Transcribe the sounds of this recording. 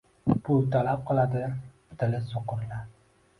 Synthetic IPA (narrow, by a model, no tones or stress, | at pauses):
pʰʊlˠt̪ʰalap̚qʰɨlˠad̪ɪ | t̪ʰɪlɪsoqʊɾla